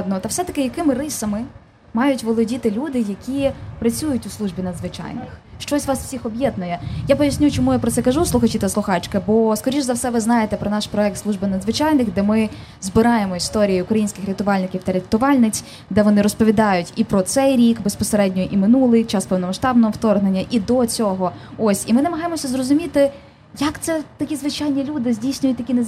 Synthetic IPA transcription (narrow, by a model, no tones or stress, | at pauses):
nɔt̪ɐwsɛt̪ɐkɪjɐkɪmɪrɪsɐmɪ | mɑjʊtʲʋɔlˠɔdʲit̪ɪlʲud̪ɪjɐkʲipɾɐt͡sʲujʊtʲʊslˠuʒbʲinɐd̪zʋɪt͡ʃɑ̰jnɪ̰xʃt͡ʃɔsʲʋɑsw̥sʲixɔbjɛd̪nʊjɛjapɔjɐsʲnʲut͡ʃɔmujapɾɔt̪ɛkɐʒuslˠʊxɐt͡ʃit̪ɐslˠʊxɑt͡ʃkɐbɔskɔɾʲiʒzɐwsɛʋɪznɑjet̪ɛpɾɔnɑʃpɾɔɛk̚t̪slˠuʒbɪnɐd̪zʋɪt͡ʃɑjnɪxd̪ɛmɪ | zbɪɾɑjemɔist̪ɔɾʲijiʊkɾɐjinʲsʲkɪxɾʲɐt̪ʊʋɑlʲnɪkʲiwt̪ɐɾʲɐt̪ʊʋɑlʲnɪt͡sʲ | d̪ɛʋɔnɪɾɔspɔʋʲid̪ɑjʊtʲipɾɔt̪sɛjɾʲikbespɔseɾɛdʲnʲɔjʔimɪnulˠɪjt͡ʃɑspɛwnɔmɐʃt̪ɑbnɔɦɔwt̪ɔrɦnenʲːɐʔid̪ɔt͡sʲɔɦɔɔsʲimɪnɐmɐɦɑjemɔsʲɐzrɔzʊmʲit̪ɪ | jɐkt̪sɛt̪ɐkʲizʋɪt͡ʃajnʲilʲud̪ɪzʲdʲijsʲnʲʊjʊt̚ʲt̪ɐkʲine